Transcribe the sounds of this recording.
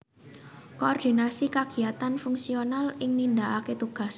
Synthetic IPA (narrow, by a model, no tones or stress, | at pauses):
koɔrd̪̥i̤nasikaɡ̥i̤at̪anfuŋsionalɪŋnind̪aʔaket̪uɡ̥a̤s